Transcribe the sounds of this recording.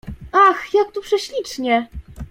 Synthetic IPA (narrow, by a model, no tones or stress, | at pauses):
axjak̚t̪upʂɛɕlʲit͡ʂɲɛ